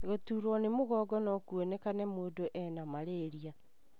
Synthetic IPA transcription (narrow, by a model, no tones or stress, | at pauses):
ɣotuːɾwɔnemoɣɔːɡɔnɔkwonekanɛmoːdoʔɛnamaɾeɾia